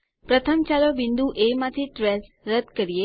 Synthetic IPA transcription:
pɾət̪ʰəmt͡ʃalobind̪uʔemãt̪ʰiʈɾɛs | ɾəd̪kəɾije

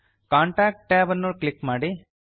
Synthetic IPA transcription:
kaːɳʈaːk̚ʈːaːʋɐnːuklikːmaːɽi

